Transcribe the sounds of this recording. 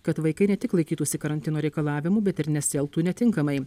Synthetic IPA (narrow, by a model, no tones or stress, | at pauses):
kɐt̪ʋɐɪkɐɪnʲɛt̪ʲɪklˠɐɪkʲiːt̪uːsʲɪkɐɾɐnʲt̪ʲɪnoːɾʲɛɪkɐlˠɑːʋʲɪmuːbʲɛt̪ɪɾnʲɛsʲɛlˠt̪uːnʲɛt̪ʲɪŋkɐmɐɪ